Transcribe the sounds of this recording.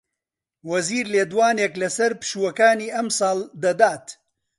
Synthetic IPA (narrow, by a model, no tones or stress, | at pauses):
wɐziːɾleːd̪waːneːklɐsɐɾpɨ̥ʃuːwɐkaːniːʔɐmsˤɑːld̪ɐd̪aːt̪